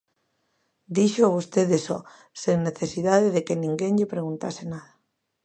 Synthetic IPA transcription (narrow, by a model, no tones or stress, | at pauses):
d̪iʃoaβost̪eðesɔ | seŋneθesiðaðeðekenĩŋɡeŋʎepɾeɣunt̪asenaða